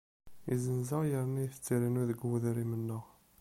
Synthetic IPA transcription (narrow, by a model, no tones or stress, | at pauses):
izənzəʁjəɾnijθt͡sːiɾinuðəɡwuðɾimənːəʁ